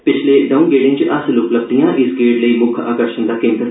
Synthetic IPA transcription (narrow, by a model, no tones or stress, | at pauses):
pɪt͡ʃʰleɖaːũnɡeːɖɪ̃ŋt͡ʃʔɐsloːkləb̚d̪ijãːʔɪsɡeːɖləiːmʊkʰa̰ːkəɾʃənd̪aːkẽːmt̪ə